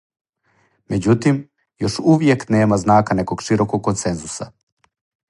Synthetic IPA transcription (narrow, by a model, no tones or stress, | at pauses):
med͡ʑut̪im | jo̞ʃuʋjekneːmaznaːkanekoɡʃiɾokoɡ̚kːonsenzusa̰